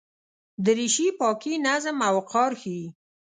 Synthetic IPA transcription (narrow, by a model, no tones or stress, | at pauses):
d̪əɾiʃipɑkinazəmawqɑɾxi